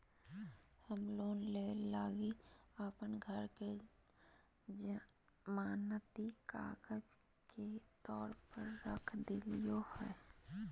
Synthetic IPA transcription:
həmloːnleːlaːɡiəpənɡʱəɾke | d͡ʒ | maːnət̪ika̰ːɡəd͡ʒ | ket̪ɔːɾpəɾːə̰kʰd̪ɪlijohɛː

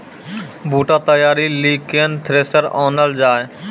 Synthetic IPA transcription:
bʱuːʈat̪əjaːɾiliːkent̪ʰɾeːsəɾɔːnəld͡ʒaːe

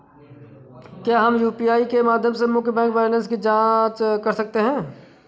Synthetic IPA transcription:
kjaːɦɐmjuːpiaːikemaːd̪ʱjəmsemʊkʰbɛ̃ːŋkʋɛːɾlə̃ns̬kid͡ʒãːt͡ʃkɐɾsɐk̚t̪eɦɛ̃ː

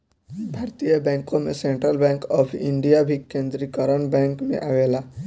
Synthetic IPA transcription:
bʱaːɾt̪ijəbɛ̃ŋkõmesẽɳʈɾəlbɛ̃ŋkɔpʰḭɳɖijabʱikẽnd̪ɾikəɾəɳbɛ̃ŋkmḛʔaʋela

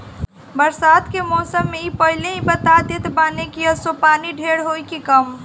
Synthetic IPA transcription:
bəɾsad̪kemɔsəmːeipəɦileĩbət̪ad̪et̪banekijəsopaniɖʱeɽɦojkikəm

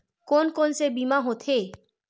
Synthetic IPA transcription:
konkonsebimaɦot̪ʰe

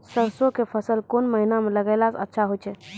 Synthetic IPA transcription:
səɾsokefʰəsəlkonməɦinamə̃ləɡalat͡sə̰tːʃʰaɦot͡ʃʰe

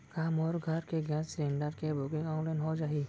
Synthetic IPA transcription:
kaːmɔːɾɡʱɐɾkeɡɛ̃ːsɾẽːɳɖaɾkebʊkɪ̃ŋɡɔːnlaɪnɦod͡ʒaːɦiː

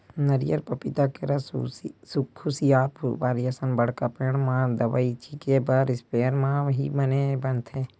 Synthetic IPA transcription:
nəɾijəɾpəpɪt̪akeɾəssukʰːʊsiaːpʋaːɾijəsənbəɽ̤kapeɽmãd̪əʋait͡ʃʰikebəɾɪspeːəɾmãʋɦḭbənebənt̪ɦɛː

